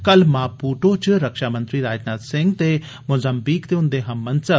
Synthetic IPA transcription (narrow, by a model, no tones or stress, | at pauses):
kɐlmaːpuːʈot͡ʃɨɾɐkʃaːmɐ̃nt̪ɾiɾaːd͡ʒnaːd̪sɪ̃ŋɡt̪e | mʊzɐmbikt̪eʊ̃nd̪eɦɐmːɐnsəb